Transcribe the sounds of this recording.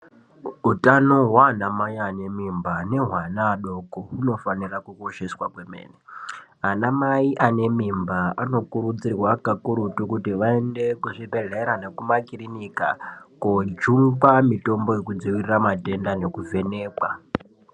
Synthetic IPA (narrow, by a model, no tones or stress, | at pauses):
utanoɦwaːnamaiane̞mimbane̞ɦwanaːɗo̞kouno̞fanirakuko̞ʃe̞swakwe̞me̞̰ːneanamaiʔane̞mimbaano̞kuɾud͡zirwakakuɾutukutiʋaende̞kuʐibʱe̞ɮeɾane̞kumakirinika̰kod͡ʒuŋɡamito̞mbo̞jekud͡ziʋiriramate̞ndane̞kuvʱe̞ne̞ːkwa